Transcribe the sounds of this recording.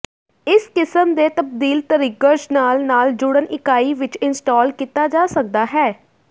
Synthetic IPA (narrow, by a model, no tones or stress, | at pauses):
ɪskɪsəmd̪eːt̪əb̚d̪iːlt̪əɾɪɡəʃnaːlnaːld͡ʒʊɽənʔɪkaːiːʋɪt͡ʃɪnsʈaːlkiːt̪aːd͡ʒaːsək̚d̪aːɦɛː